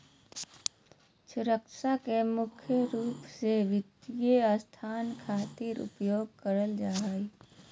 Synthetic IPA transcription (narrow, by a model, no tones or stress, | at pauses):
sʊɾəkʃakemʊkʰjəɾuːpseʋɪt̪ijeəst̪ʰaːnkʰaːt̪iɾʊ̰pjoːɡ̚kəɾəld͡ʒaːi